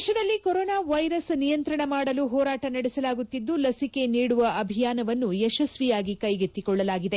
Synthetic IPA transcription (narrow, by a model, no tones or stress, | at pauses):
ʂɐd̪ɐlːikoɾɔːnaːʋɐjɾɐsnijɐnt̪ɾɐɳɐmaːɽɐluɦɔːɾaːʈɐnɐɽisɐlaːɡut̪ːid̪ːulɐsike̞niːɽuʋɐʔɐbʱijaːnɐʋɐnːuɛʃɐsʋijaːɡikɐjɡet̪ːikɔɭːɐlaːɡid̪e